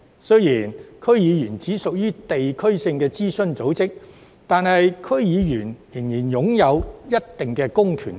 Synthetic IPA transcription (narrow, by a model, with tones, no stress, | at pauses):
sɵ˥jiː˨˩nkʰɵ˥ɥjiː˨˧jyː˨˩nt͡siː˨˥sʊ˨k̚jyː˥t̪e˨jkʰɵ˥ɥsɪ˧ŋkɛː˧t͡siː˥sɵ˥nt͡so˨˥wt͡sɪ˥k̚ | t̪aː˨nɦɐ˨jkʰɵ˥ɥjiː˨˧jyː˨˩njɪ˨˩ŋjiː˨˩njʊ˨˥ŋjɐ˨˧wjɐ˥t̚t̪ɪ˨ŋkɛː˧kʊ˥ŋkʰy̰ː˨˩n